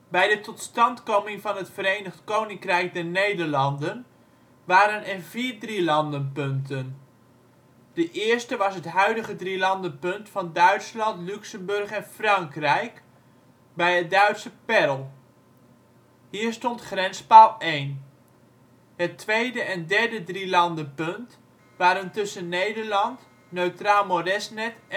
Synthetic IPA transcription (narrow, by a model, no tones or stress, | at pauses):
bɛjdətɔtstɑntkomɪŋvɑnɦətfəɾejnəχtkownɪŋkrɛjk̚dɛɹnejdəɹlɑndən | ʋaːɾənɛnviːrdrilɑndənpɵntən | d̥əʔɪːɹstəʋɑsɦətɦœɥdəχədrilɑndənpɵntfɑndœɥtslɑntlyksəmbɵrχɛnfrɑŋkrɛjk | bɛjət̚dœɥtsəpɛrəlˠ | ɦiːɹstɔntχrɛnspalˠejn | hətʋejdəʔɛndɛɹdədrilɑndəpɵnt | ʋaːɾəntɵsənːejdəɹlɑnt | nøɥtraːlˠmodɛsnɛt